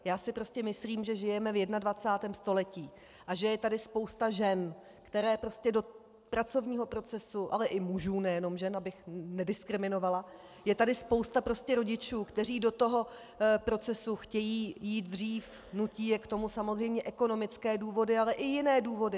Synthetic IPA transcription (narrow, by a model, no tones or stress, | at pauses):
jaːsɪpɾo̞scʲɛmɪsliːmʒɛʒɪjɛmɛvjɛdnadvat͡saːt̪ɛːmst̪o̞lɛciː | ʔaʒɛjɛt̪adɪspo̞wst̪aʒɛn | kt̪ɛɾɛːpɾo̞scɛdo̞ | pɾat͡so̞vɲiːɦo̞pɾo̞t͡sɛsuʔalɛʔɪmuʒuːnɛjɛno̞mʒɛnabɪxnɛdɪskɾɪmɪno̞vala | jɛt̪adɪspo̞wst̪apɾo̞scɛɾo̞ɟɪt͡ʃuːkt̪ɛr̝iːdo̞t̪o̞ɦo̞ | pɾo̞t͡sɛsuxcɛjiːjiːt̪̚dr̝iːf | nuciːjɛkt̪o̞musamo̞zr̝ɛjmɲɛʔɛko̞no̞mɪt͡skɛːduːvo̞dɪalɛʔɪjɪnɛːduːvo̞dɪ